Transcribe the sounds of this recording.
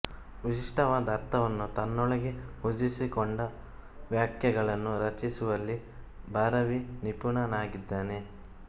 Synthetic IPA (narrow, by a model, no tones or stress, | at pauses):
ʋiʃiʂʈɐʋaːd̪ɐɾt̪ʰɐʋɐnːut̪ɐnːɔɭɐɡe̞hud͡ʒisikoɳɖɐ | ʋjaːkʰjɐɡɐɭɐnːuɾɐt͡ʃisuʋɐlːi | bʱaːɾɐʋinipuɳɐnaːɡid̪ːaːne̞